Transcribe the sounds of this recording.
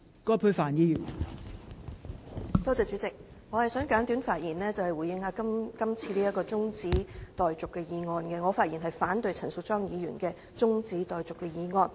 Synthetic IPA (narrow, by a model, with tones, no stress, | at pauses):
kɔː˥pʰu˧ɥfaː˨njiː˨˧jyː˨˩n | t̪ɔː˥t͡sɛː˨˧t͡ʃyː˨˥t͡sɪ˨k̚ | ŋɔː˨˧hɐ˨jsœː˨˥ŋkaː˨˥nt̪yː˨˥nfaː˧t̚jiː˨˩nɛː˥t͡sɐ˨whɐ˨jwu˨˩jɪ˧ŋhaː˨˧˥ɐ˥mkɐ˥mt͡sʰiː˧liː˥jɐ˥kːɔː˧t͡sʊ˥ŋt͡siː˨˥t̪ɔː˨jt͡sʊ˨kːɛː˧jiː˨˧ŋɔː˨nkɛː˧ŋɔː˨˧faː˧t̚ji˨˩nɦɐ˨jfaː˨˥nt̪ɵ˧ɥjt͡sʰɐ˨˩nsʊ˨t̚t͡ʃɔː˥ŋjiː˨˧jyː˨˩nkɛː˧ | t͡sʊ˥ŋt͡siː˨˥t̪ɔː˨jt͡sʊ˨kːɛː˧jiː˨˧ŋɔː˧n